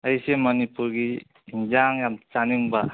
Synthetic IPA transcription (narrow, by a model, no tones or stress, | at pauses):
əjsemʌnipuɾɡiː | nd͡ʒaŋjamt͡ʃaniŋba